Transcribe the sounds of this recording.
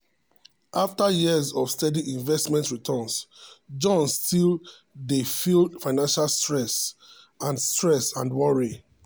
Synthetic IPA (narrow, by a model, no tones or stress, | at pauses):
ʔaftajizɔv̥stɛdiʔĩɱvɛstmɛ̃ntɹitʰɔ̃nsd͡ʒɔ̃nstʰil | defildfaɪnãnʃalstɹɛs | ãndstɹɛsã̰nwɔɹi